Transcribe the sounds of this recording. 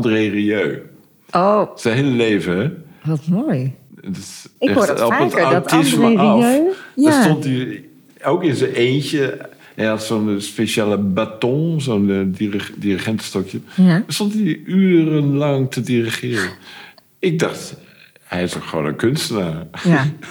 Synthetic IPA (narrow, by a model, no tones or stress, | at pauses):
ɔndəreriøː | osɛnɦeːləleːvəɛʋɔtmojdɪskɛɔpːətattɪsməfdstɔnti | oːkɪnzəʔeːncə | hɛjhatsoːnspeʃaːləbatɔ̃nsoːndiriχɛntə̥stɔkjədəstontiyːrənlɑŋtʰədiriχɪːrən | ɪk̚dɔxt | hɛjɪsokχʋo̰ːnə̰nkʰønstəna